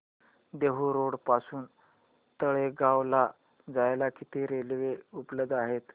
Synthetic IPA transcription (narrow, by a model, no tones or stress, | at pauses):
d̪eɦuɾoɽpasuːn | t̪əɭeɡaʋla | d͡zajlakit̪eɾelʋeupləd̪ːaɦet̪